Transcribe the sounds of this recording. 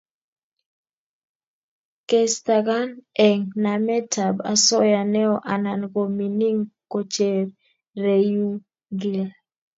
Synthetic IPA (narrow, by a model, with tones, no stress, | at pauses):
ke˨st̪a˨ɡa˦nɛ˨ŋnamɛ˦tʰa˨ba˨sɔ˦ja˨nɛ˦ɔ˦ʔa˨na˨nko˨mi˨ni˦ŋko˨t͡ʃe˨r | re˨ju˦ | ɡi˨l